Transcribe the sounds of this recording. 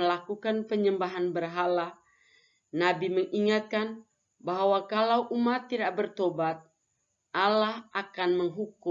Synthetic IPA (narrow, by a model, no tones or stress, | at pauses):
əlakukanpəɲəmbaɦanbərɦala | nabiməŋʔiŋat̪̚kan | baɦwakalawʔumat̪ːidaʔ̚bərt̪obat̪̚ | ʔalahʔakanməŋɦuku